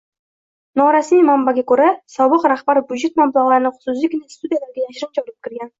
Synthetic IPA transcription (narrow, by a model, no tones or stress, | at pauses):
nɒɾasmijmambaɡʲakʰɵɾasɒbɨqɾaχbaɾbʲjud͡ʒe̞t̪mamlˠaʁlˠaɾɪnɪχʊ̥sʊzlˠɪkʲɪnist̪ud̪ijalaɾɡʲajaʃɪɾɪmt͡ʃʰɑɾɪp̚kʲʰɪɾɡʲan